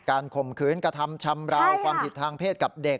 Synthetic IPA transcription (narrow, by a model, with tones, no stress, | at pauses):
kaː˧nkʰo˨˩mkʰɯː˦˥nkɾa˧t̪ʰa˧mt͡ɕʰa˧mɾa˦˥wkʰwaː˧mt̪ʰi˨˩t̪ʰːaː˧ŋpʰeː˥˩t̪̚ka˨˩p̚de˨˩k̚